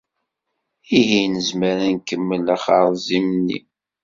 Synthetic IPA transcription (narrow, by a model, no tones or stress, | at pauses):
iɦinəzməɾænkəmːəlaχɑɾˤzimnːḭ